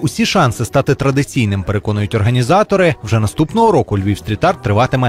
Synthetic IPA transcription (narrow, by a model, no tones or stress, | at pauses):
ʊsʲiʃɑnsɪst̪ɑt̪ɪt̪ɾɐd̪ɪt͡sʲijnɪmpe̞ɾe̞kɔnʊjʊtʲɔrɦɐnʲizɑt̪ɔɾɪwʒɛnɐst̪upnɔɦɔɾɔkʊlʲʋʲiwst̪ʲɾʲit̪ɑrt̪ːɾɪʋɑt̪ɪmɛ